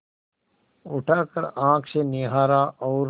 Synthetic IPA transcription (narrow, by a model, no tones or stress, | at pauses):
ʊʈʰaːkəɾãːkʰseːnɪɦaːɾaːʔɔːɾ